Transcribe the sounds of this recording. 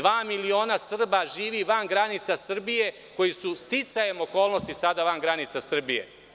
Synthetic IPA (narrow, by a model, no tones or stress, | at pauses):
ʋaːmilio̞ːnasr̩baʒiːʋiʋanɡɾanit̪sasr̩bije̞ | ko̞jisust̪it̪sajemoko̞ːlˠno̞st̪isad̪aʋanɡɾanit̪sasr̩bijḛ